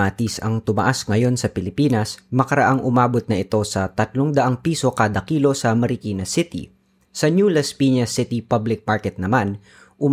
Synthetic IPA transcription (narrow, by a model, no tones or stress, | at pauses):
aːt̪isɐ̰ŋt̪ʊmɐʔasŋɐjo̞nsɐpɪlɪpiːnɐsmɐkɐɾɐʔaŋʔʊmaːbo̞t̪̚nɐʔɪt̪o̞sɐt̪ɐt̪loŋd̪ɐʔaŋpiːso̞kaːd̪ɐkiːlo̞sɐmɛɾɪkiːnɐsɪt̪ḭ | sɐnjulɐspiːɲɐsɪt̪ipablɪk̚maɹkɛt̪̚nɐman | ʔʊm